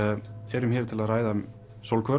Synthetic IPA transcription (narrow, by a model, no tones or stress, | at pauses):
ɛɾʏmçɛːɾ̥t̪ʰɪlaðraːjða | sowlkʰvœ